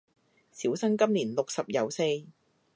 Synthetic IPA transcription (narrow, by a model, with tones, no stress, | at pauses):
siː˨˥wsɐ˥ŋkɐ˥mliː˨˩nlʊ˨k̚sɐ˨p̚jɐ˨˧wse˧j